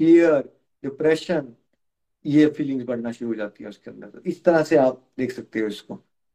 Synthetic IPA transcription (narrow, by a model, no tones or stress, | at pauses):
fiːəɾ | ɖɪpɾɛːʃən | jefiːlɪ̃ŋɡzbɐɽ̤naʃʊɾuɦod͡ʒaːt̪iɦɛ̃ʊskeɐ̃nd̪əɾɪst̪ɐɾaseaːp̚d̪eːkʰsɐk̚t̪eɦɛ̃ʊsko